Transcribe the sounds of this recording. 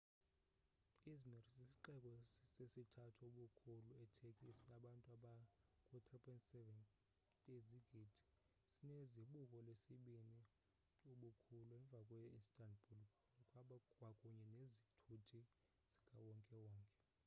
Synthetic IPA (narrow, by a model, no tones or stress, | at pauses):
izmirsisiǃɛkʼwɔsesitʰatʰuoɓukʰuluɛtʰekʼisinaɓantʼaɓakʼut̪ʰʼripʼʰɔntʼsɛvɛn | tʼeziɡ̥ʱidʱi̥ | sineziɓukʼɔlesiɓini | uɓukʰuluɛɱvʱakʼwɛistʼandbʱul | ɔkʼaɓakʼwakʼuɲɛnezitʰutʰi | z̥i̥ɡʰʱawɔŋkʼɛwɔːŋkʼɛ